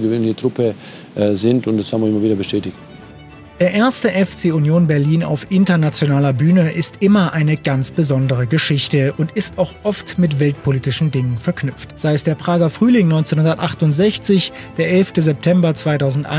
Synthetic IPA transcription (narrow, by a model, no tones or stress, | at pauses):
ɡəvøːnlɪçətʁ̥ʊpə | zɪntʊntd̥ashaːbm̩vɪəɪmɐviːdɐbəʃtɛːtɪçt | d̥eːɐʔeːɐstəʔɛft͡seːʊnjoːnbɛɐliːna̰ʊfʔɪntɐnat͡sjonaːlɐbyːnəʔɪstʔɪmɐʔaɪnəɡ̥ant͡sb̥əzɔndəʁəɡəʃɪçtəʔʊntɪstaʊxʔɔftmɪtv̥ɛltpʰoliːtɪʃn̩dɪŋənfɛɐknʏp͡ftz̥aɪəsd̥eːɐpʁ̥aːɡɐfʁ̥yːlɪŋnɔʏnt͡senhʊndɐtʔaχtʊntz̥ɛçt͡sɪç | d̥eːɐʔɛlftəzɛp̚tʰɛmbɐt͡sv̥aɪtaʊzn̩tʔa̰